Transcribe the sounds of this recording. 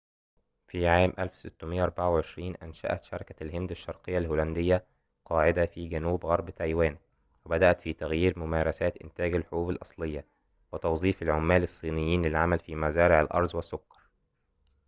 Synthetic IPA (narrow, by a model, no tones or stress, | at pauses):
fiːʕaːmʔælfsɪt̪ːʊmɪjːaʔɑɾˤbaʕawʕeʃɾiːnʔænʃæ̰ʔæt̪ʃɑɾˤɑkælhɪnd̪aʃːɑɾˤqejːalhuːlænd̪ɪjːæ | qʰɑːʕɪd̪æfiːɡænuːbɣɑɾˤbt̪æjwæːn | wɪbæd̪æʔæt̪fiːt̪æɣjiːɾmʊmæːɾˤɑsæːt̪ʔɪ̰nt̪æːɡælħʊɾuːbɪlʔɑsˤlejːa | wɪt̪ɑwzˤiːfalʕomːæːlɪsˤːiːnɪjːiːnlɪlʕamælfiːmæzæːɾɪʕalʔɑ̰ɾˤzˤwɪsːokːɑ̥ɾˤ